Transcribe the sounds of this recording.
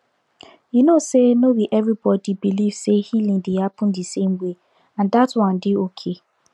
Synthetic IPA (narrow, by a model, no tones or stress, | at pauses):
jinosenowiʔɛvɾibɔdibilivsehilĩŋdihapʊ̃ndisẽmwe | ãndatwɔ̃ndɪokʰe